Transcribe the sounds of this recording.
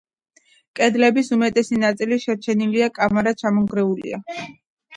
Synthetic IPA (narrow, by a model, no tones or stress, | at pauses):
kʼɛd̪lɛbisumɛt̪ʼɛsinat̪sʼiliʃɛɾt͡ʃʰɛniliakʼamaɾat͡ʃʰamɔŋɡɾɛulḭa